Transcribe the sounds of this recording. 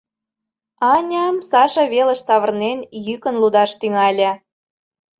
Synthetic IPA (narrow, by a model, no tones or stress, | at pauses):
ɑnʲɑmsɑʃɤ̆βelə̆ʃsɑβə̆rnenjykə̆nlud̪ɑʃt̪yŋɑlʲĕ